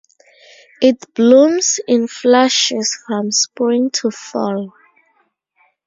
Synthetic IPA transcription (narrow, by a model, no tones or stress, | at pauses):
itb̥lũmsɪ̃nflaʃɛsfɹɔ̃mspĩŋtʰufɔ̰l